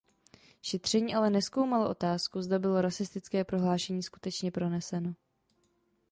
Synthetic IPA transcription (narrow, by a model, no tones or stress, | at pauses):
ʃɛt̪r̝̥ɛɲiːʔalɛnɛsko̞wmaloʔo̞t̪aːskuzdabɪlo̞ɾasɪst̪ɪt͡skɛːpɾo̞ɦlaːʃɛɲiːsku̥t̪ɛt͡ʃɲɛpɾo̞nɛsɛno̞